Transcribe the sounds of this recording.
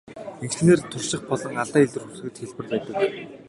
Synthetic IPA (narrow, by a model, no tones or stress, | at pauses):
eŋkt͡ɕneːrt̪ʰʊrʃɪ̆χpɔɮɞ̆ŋaɮt̪aːiɮɘ̆rxus̆ɘ̆t̪xeɮpɘ̆rpæːt̪ə̆k